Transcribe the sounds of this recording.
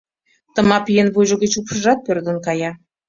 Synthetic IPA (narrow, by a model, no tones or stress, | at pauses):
t̪ə̆mɑpjenβujʒŏɣə̆t͡ɕupʃəʒɑt̪̚pørd̪ə̆nkɑjɑ